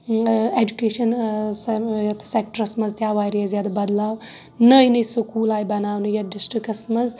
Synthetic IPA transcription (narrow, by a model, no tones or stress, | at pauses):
ed͡ʒukeːʃɐnsjɐt̪ʰsek̚ʈəɾɐsmɐzt̪jaʋajɾijazjad̪abɐd̪laːw | nəjnəjsukuːlajbɐnaːwnɨjaɖisʈɾikɐsmɐz